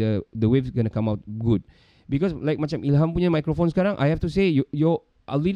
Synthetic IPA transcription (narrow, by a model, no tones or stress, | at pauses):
ədəwevsɡɔnəkãmawt̚ɡud̚ | bikɔslajk̚mat͡ʃamilɦãmpuɲamajkɾofonsə̥kaɾãŋʔa̰jhɛft̪usejɔjɔ | ʔə̰li